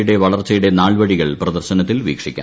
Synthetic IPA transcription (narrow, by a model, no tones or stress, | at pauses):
juɽeʋɐɭɐrt͡ɕːɐjuɽe̞naːɭʋɐɻiɣɐɭprɐd̪ɐrɕɐnɐt̪ːilʋiːkʂikʲːa̰